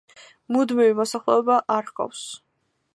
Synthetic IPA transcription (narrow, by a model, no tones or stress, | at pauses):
mud̪mivimɔsaχlˠɛ̰ɔbaʔaɾqʼɔ̰fs